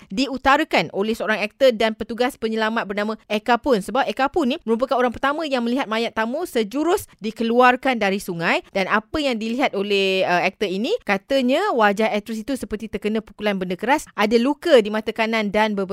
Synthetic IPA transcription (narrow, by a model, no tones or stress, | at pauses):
diut̪aɾəkanolɛhsəoɾaŋɛk̚t̪ədanpət̪uɡaspəɲəlamat̪̚bərnamə̃ekapʊnsəbap̚ekapʊnːĩməɾup̬əkanoɾaŋpərt̪amə̃jaŋmə̃liɦat̪̚majat̪ːamusəd͡ʒuɾʊsdikəluarkandaɾisuŋãjdanʔapəjaŋdiliɦat̪̚olɛhəɛk̚t̪əinĩkat̪əɲãwad͡ʒaɦɛt̪ɾɔsit̪usəpərt̪it̪ərkənə̃pukulanbəndəkəɾasʔadalukədimãt̪əkanandanbəb